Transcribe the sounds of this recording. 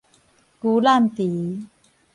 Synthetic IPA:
ku˨˦la˥˨mt̪i˨˦

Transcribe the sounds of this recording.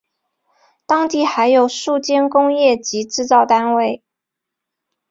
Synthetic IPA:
t̪ɑ˥ŋt̪i˥˩xa˧˥ɪjo˨˩ʊʂu˥˧˩t͡ɕjɛ˥nkʊ˥ŋjɛ˥˩t͡ɕi˧˥ʈ͡ʂɻ̩˥˧t͡sɑ˥˩ʊt̪a˥nwe˥˩ɪ

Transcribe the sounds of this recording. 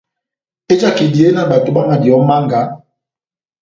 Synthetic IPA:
e˦d͡ʒa˦ki˨di˨e˦na˨ɓa˨to˨ɓa˦ŋa˨di˨ɔ˨˦ma˦ŋɡa˨˦

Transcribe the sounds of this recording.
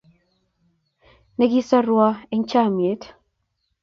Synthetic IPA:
ne˦ɡi˦sa˦rwa˦e˦ɲt͡ʃa˦˨mje˨˦t

